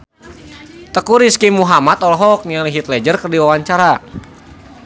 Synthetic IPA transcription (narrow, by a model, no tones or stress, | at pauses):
t̪əkuɾiskimuɦamat̪ɔlɦɔk̚nialiɦit̪̚lɛd͡ʒərkərdiwawaɲt͡ʃaɾa